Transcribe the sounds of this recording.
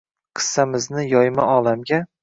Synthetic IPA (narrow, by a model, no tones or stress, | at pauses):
qʰɨ̥sːamɪznɪjɒjmaɒlˠamɡʲa